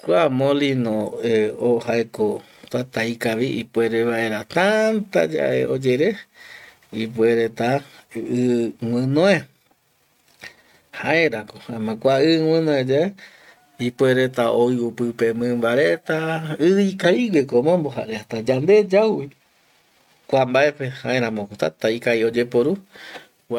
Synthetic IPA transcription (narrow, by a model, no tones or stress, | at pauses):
kʷamõlinõeohaeko | t̪at̪ajkaʋiʔḭpweɾeβaʔeɾat̪ant̪a̰d͡ʒa̰ʔḛod͡ʒeɾe | ip̬weɾet̪aɨw̃ɨ̃nõe | haʔeɾakoãmɨ̃kʷaɨwɨ̃nõed͡ʒae | ipweɾet̪aoiupɨpemɨ̃mbaɾet̪aɨikaiwekomõmboɦa̰ɾeat̪ad͡ʒand̪e̞d͡ʒawwi | kʷambaepehaʔeɾãmokot̪a̰t̪aikaiod͡ʒepoɾu